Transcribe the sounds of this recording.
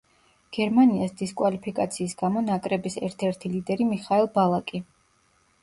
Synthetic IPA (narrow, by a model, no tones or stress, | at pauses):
ɡ̥ɛɾmaniasd̪iskʼwalipʰikʼat̪sʰiːs̬ɡamɔnakʼɾɛbisɛɾt̪ʰɛɾt̪ʰilid̪ɛɾimiχaɛlˠbalˠakʼi